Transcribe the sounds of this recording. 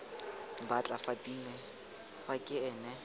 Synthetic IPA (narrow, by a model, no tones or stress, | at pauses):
bat͡ɬʼafadiːnɛ | fakʼɪɛːnɛ